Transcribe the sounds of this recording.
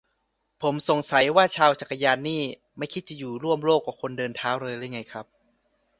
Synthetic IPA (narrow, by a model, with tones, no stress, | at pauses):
pʰo˩˦mso˨˩ŋsa˩˦jwaː˥˩t͡ɕʰaː˧wt͡ɕa˨˩kːa˧jaː˧nːiː˥˩ | ma˥˩jkʰi˦t̪̚t͡ɕa˨˧˩juː˨˩ɾu˥˩əmloː˥˩kːa˨˩kʰo˧ndɤː˧nt̪ʰaː˦˥wɾɤː˧jɾaː˥˩jŋa˧jkʰɾa˦˥p̚